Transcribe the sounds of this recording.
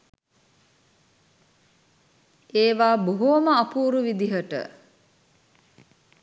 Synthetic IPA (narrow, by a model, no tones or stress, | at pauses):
eːʋaːboɦoməapuːɾuʋid̪iɦəʈə̰